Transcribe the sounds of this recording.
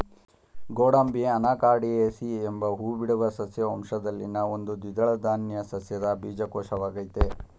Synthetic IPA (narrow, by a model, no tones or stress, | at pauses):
ɡoːɽɐmbiɐnaːkaːɽieːsiembɐɦuːbiɽuʋɐsɐsjɐɐmʂɐd̪ɐlːḭnɐo̞nd̪ud̪id̪ɐɭɐd̪aːnjɐsɐsjɐd̪ɐbiːd͡ʒɐkɔːʂɐʋaːɡɐjt̪e